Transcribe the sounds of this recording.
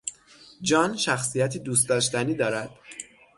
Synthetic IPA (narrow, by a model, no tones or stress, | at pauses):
d͡ʒɒːnʃæxsijæt̪ʰiːd̪uːs̬t̪̚ɒːʃt̪æniːd̪ɒːɾæd̪̥